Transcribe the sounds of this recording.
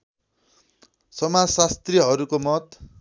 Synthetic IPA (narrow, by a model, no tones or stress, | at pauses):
sʌmasast̪riɦʌɾukomʌt̪